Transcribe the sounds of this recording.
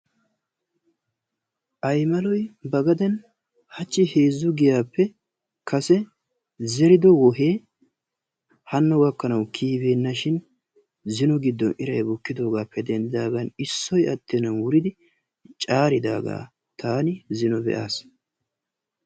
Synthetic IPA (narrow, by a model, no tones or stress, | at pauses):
ʔɐjmɐlɔjbɐɡɐd̪ɛn | hɐt͡ʃːɪhe̞ːzːʊɡɪjaːpːɛ | kɐsɛ | zɛɾɪd̪ɔwɔɦeː | hɐnːɔwɐkːɐnɐwkʰiːbeːnːɐʃɪn | zɪnɔɡɪd̪ːɔnɪɾɐjbɔkːɪd̪o̞ːɡaːpːɛd̪ɛnd̪ɪd̪aːɡɐnɪsːɔjɐt̪ːenɐwwʊɾɪd̪ɪ | t͡ʃʼaːɾɪd̪a̰ːɡa̰ː | t̪ʰaːnɪzɪnɔbɛ̰ʔaːs